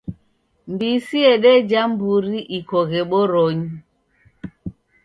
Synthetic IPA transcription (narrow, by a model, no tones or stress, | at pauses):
mbisiɛɗɛd͡ʒambuɾiʔikɔɣɛɓɔɾɔɲi